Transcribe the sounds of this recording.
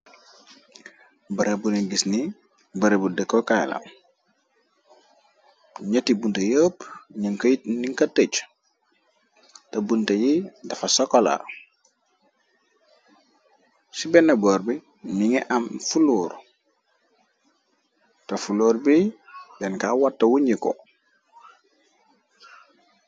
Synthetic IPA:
bɐɾebuniɡisni | bɐɾebudəkːokajla̰m | ɲɐtibuntɐjoːpɲəŋkniŋkatːət͡ʃ | tɐbuntɐjidɐfasokola̰ | sibɛnːɐboːɾbi | niŋɛʔamfuluːɾ | tofuloːɾbibɛnkawatːɐwuɲiko̰

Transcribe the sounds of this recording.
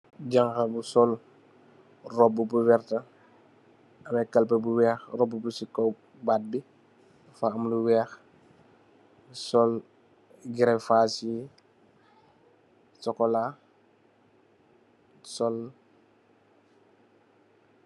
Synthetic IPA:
ɟaŋkɐbusɔl | rɔbːubuwɛɾtɐ | ɐmɛkɐlpɐbuwɛːxrɔbːubusikɔ | baːt̚bi | faɐmluwɛːx | sɔl | ɡiɾɛfaːsi | sɔkɔla | sɔl

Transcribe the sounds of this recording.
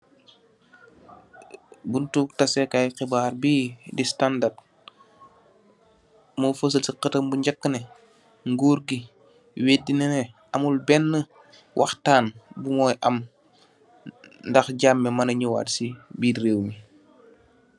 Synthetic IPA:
buntuːk̚tɐsɛkajxibaːɾbidistandard | mufɐs̬əlsiqətəmbuɲɟakːəne | ŋɡuːɾɡi | weːdːinɛnɛ | ɐmulbɛnːə | wʔaxtaːnbumɔːjʔɐm | ndɐxɟamːɛmɐnɐɲuwa̰ːtsibiɾeːwmi

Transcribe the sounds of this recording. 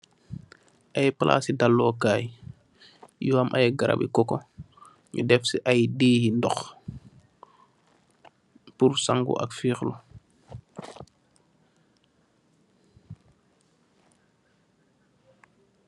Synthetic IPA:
ʔajpəlʔa̰ːsidalːɔːkaːj | jɔamʔa̰jɡaɾʔa̰bḭkɔkɔ | ɲṵdɛfsiʔajdeːhindɔx | puɾsaŋɡṵʔa̰kfiːxlu

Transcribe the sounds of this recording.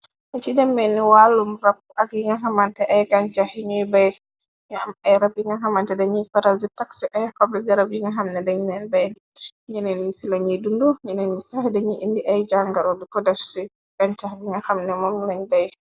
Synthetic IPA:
nɛt͡ʃidɛmːɛniwalumrap̚uʔaɡiŋaɦamantɛʔajɡaɲt͡ʃahiɲijbaj | ɲamajɾabiŋaɦamantɛdɛɲifaɾaldɛtaksɛʔajkablik̚daɾabiŋaɦamnɛdɛɲinɛnbɛj | ɲɛnɛnisilaɲidunduɲɛnɛnmisahɛdɛɲiʔindiʔajd͡ʒaŋɡaɾɔdɛkɔdafsi | ɡ̥aɲt͡ʃahbiŋahamnɛmɔmlaɲbaj

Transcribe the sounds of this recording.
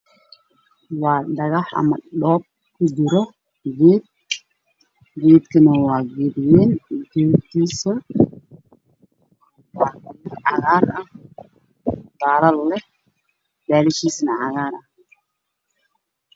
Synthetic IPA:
wɑːɖɐɣɑħɐ̰mɐ̰ɖɔːb̚ | kʰʊd͡ʒɪɾɔ | ɡɛːd̪̚ | ɡɛːd̪kʰɐnɐwɑːɡɛːdɪjɛːnɡɛːt̪iːsɐ | wɑːkɐmɐʕɑɣaːrɐh | b̥aːɾɐllɛ | baːlɪʃiːsnɐʕɑɣaːɾɐh

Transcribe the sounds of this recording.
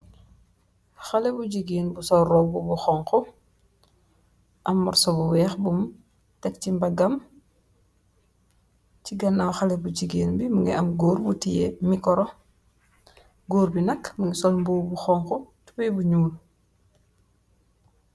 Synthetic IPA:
xalɛbuɟiɡiːnbusɔɾɔbubuxɔŋxɔ | ʔɐmːuɾsɔbuwɛːxbum | tɛk̚cimbaɡɐm | t͡ʃiɡɐnawxalɛbuɟiɡeːnbimuŋiɐmɡoːɾbutijemikɔɾɔ | ɡoːɾbinɐkməŋisɔlmbubuxɔŋxɔtu̥pɛjbuɲuːl

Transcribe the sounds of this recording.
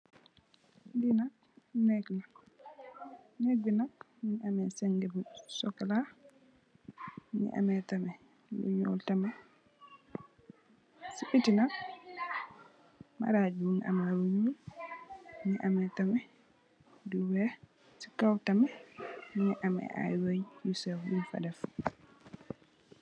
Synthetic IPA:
dinak | nɛkla | neɡinak | minamɛsɛŋɡɛbusɔkala | nḭʔa̰mɛtamɛ | lo̰ɲɔ̰ltamɛ | siɓitinak̚ | ma̰ɾad͡ʒuminʔa̰maluɲu | miʔamɛtamɛ | duwɛ | si̥kawtamɛmnɛʔamɛ̰ʔa̰jwojjusɛfbulfa̰dɛf

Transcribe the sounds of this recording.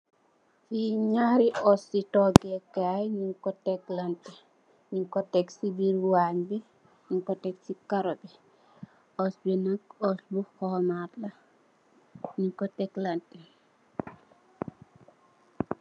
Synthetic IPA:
fiɲaɾiʔɔsːitɔɡɛkajɲiŋkɔtɛklɐntɛ | ɲiŋkɔtɛksibiɾwaɲbi | ɲiŋkɔtɛksikaɾɔbi | ɔsbinɐkɔsbuxɔmatlɐ | ɲiŋkɔtɛklɐntɛ

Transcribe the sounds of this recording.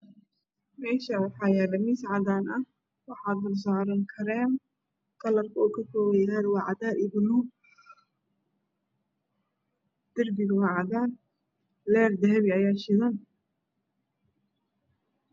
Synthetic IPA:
mɛːʃɐwɑħɑːjɐɾɐmisʕɑd̪aːnʔɐh | wɑħɑːd̪̚bɐrsaːɾɐŋkʰɐɾɛːn | kʰɐlɐrkʰɐɔːkʰɐkʰɔːwɛjɐɾwɑːʕɑd̪aːɾɪbʊnuː | d̪̥ɪrbɪɣwɑːʕɑdaːn | lɛːrd̪ɛɦɛβɪɐjaːʃɪðɐn

